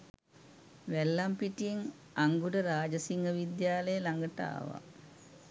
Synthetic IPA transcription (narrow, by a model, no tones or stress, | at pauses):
ʋælːampiʈijeŋ | aŋɡuɖəɾaːd͡ʒəsiŋɡəʋid̪jaːləjəlaŋɡəʈa̰ːʋa̰